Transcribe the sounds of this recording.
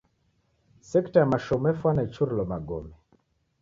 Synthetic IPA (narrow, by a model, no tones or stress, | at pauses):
sɛktajamaʃɔmɛfwanait͡ʃuɾilɔmaɡɔmɛ